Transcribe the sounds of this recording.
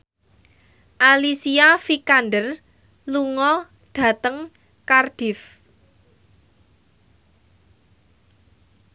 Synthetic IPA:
ʔalisiafikandər | luŋɔ | d̥ä̤t̪əŋ | kard̥ɪ̤f

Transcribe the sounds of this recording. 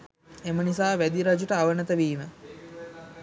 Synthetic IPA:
emənisaːʋæd̪iɾad͡ʒuʈəaʋənət̪əʋiːmə

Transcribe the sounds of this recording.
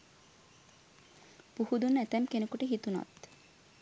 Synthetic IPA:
puhud̪unːæt̪ɛmkenekoʈeɦit̪unɔ̰t̪

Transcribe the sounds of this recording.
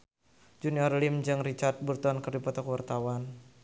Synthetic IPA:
d͡ʒuniɔrlimd͡ʒɨŋrit͡ʃart̪̚burt̪uankɨrdipɔt̪ɔkwart̪awan

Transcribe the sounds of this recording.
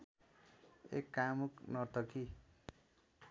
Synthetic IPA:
ḛkːamuknʌt̪ʌki

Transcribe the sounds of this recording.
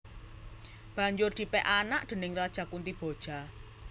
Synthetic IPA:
b̥ä̤ɲd͡ʒʊrd̪̥i̤pɛʔanaʔd̪̥ə̤nɪŋrad̥ʒ̥a̤kunt̪ib̥o̤d̥ʒ̥a̤

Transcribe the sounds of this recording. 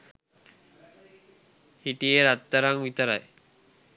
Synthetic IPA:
hiʈijeɾat̪ːəɾaŋʋit̪əɾa̰j

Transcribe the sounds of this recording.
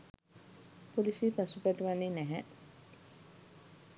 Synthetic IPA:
polisiːpasupæʈuʋanːiːnæɦɛ

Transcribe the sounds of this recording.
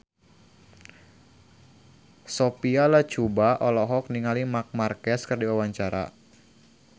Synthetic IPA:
sopialat͡ʃubaʔɔlɔɦɔk̚niŋalimak̚markɛskɨrdiwawaɲt͡ʃaɾa̰

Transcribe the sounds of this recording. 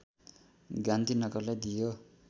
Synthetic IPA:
ɡant̪inʌɡʌrlajd̪ijo

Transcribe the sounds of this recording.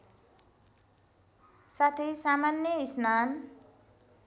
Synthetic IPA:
sat̪ʰisamanjʌisnan

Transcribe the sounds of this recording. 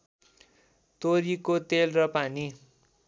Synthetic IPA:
t̪oɾikot̪elrʌpani

